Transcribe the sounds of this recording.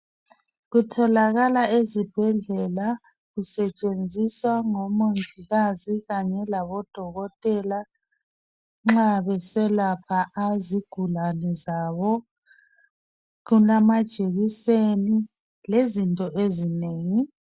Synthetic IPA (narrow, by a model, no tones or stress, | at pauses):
ɣutʰɔlaɣalaezib̥ʱɛɮɛla | ɣusɛt͡ʃʼend͡zʱiswaŋɔmoŋʱiɣaziɣaɲɛlaβɔd̥ʱɔɣɔtʼɛla | ŋ͡ǁaβɛsɛlapʰaʔaziɡ̥ʱulanɛzaβɔ | ɣunamad̥ʒ̥ʱeɣiseni | lezintʼɔʔezineːŋi